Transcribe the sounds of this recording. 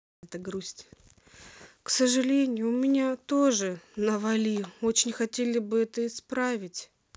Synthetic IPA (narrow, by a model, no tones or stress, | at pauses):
ɛt̪əɡɾusʲtʲ | ksəʐɨlʲenʲɪjʊmʲɪnʲat̪oʐɨnəvɐlʲio̞t͡ɕɪnʲxɐtʲelʲɪbɨɛt̪əɪspɾavʲɪtʲ